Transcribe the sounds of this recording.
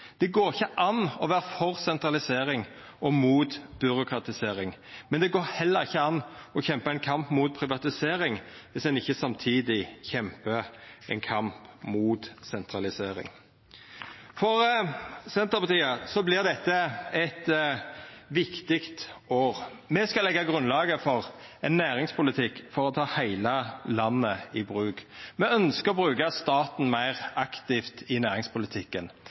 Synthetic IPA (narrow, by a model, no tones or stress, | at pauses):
d̪̥ɛɡoːɾɪçːəʔɑnɔʋæːɾəfɔɾsɛnt̪ɾɑlɪseːɾɪŋ | ʔɔmuːt̪b̥ʏɾʊkʰɾɑt̪ɪseːɾɪŋmɛnd̪ɛɡoːɾhɛlːəɾɪçːəɑnɔçɛmpəɛɪnkʰɑmpmuːt̪̚pʰɾɪʋɑt̪ɪseːɾɪŋʋɪsd̪ɛnɪçːəsɑmt̪ʰiːd̪ɪçɛmpəɛɪnkʰɑmpmuːt̪sɛnt̪ɾɑlɪseːɾɪ̰ŋ | fɔɾsɛnt̪əʁpɑt̪ʰiːəsɔblɪʁd̪ɛt̪ːəɛt̪ | ʋɪkt̪ɪkt̪oːʁ | mɛskɑlɛɡːɑɡʁʉnlɑːɡəfɔʁɛnːæːɾɪŋspʰʊlɪt̪ʰɪkːfɔɾɔt̪ʰɑːhæɪləlɑnːəɪbʁʉːɡmɛœnskəʁɔbʁʉːkɑst̪ɑːt̪n̩mæɪʁɑkt̪ɪft̪ɪnæːɾɪŋspʰʊlɪt̪ʰɪkːən